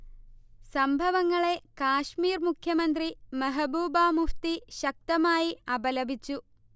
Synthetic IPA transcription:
sɐmbʱɐʋɐŋːɐɭe̞kaːʂmiːɾmukʰjɐmɐnd̪ɾimɐɦɐbuːbaːmuft̪iʃɐk̚t̪ɐmaːjiɐbɐlɐbʱit͡ɕːu

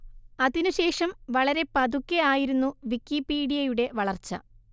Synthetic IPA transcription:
ɐðinuɕe̞ːʂɐmʋɐɭɐɾe̞pɐd̪ukːeaːjiɾunːuʋikːipiːɽijɐjuɽe̞ʋɐɭɐrt͡ɕːɐ̰

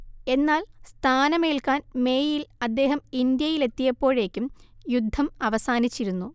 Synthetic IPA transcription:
e̞nːaːlst̪ʰaːnɐmeːlkaːnme̞ːjilɐd̪ːe̞ːɦɐmind̪jɐjile̞t̪ːijɐpːo̞ːɻe̞ːkʲːumjud̪ʱːɐmɐʋɐsaːnit͡ɕːiɾunːu

